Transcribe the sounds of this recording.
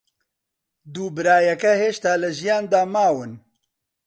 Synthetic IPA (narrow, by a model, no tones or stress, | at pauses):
d̪uːbɨɾaːjɛkɛheːʃt̪aːlɨʒijaːnd̪aːmaːwɨn